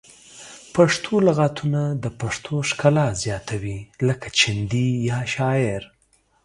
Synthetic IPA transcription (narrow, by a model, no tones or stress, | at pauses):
paʂt̪ʰolaɣat̪ʰunad̪əpaʂt̪ʰoʂkalɑzjɑt̪ʰawiləkḁt͡ʃɪnd̪ijɑʃɑjɪɾ